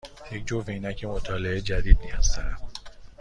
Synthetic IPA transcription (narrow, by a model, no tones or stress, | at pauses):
jecd͡ʒoveinæcʰemot̪ʰɒːleed͡ʒæd̪iːd̪̚niæst̪æ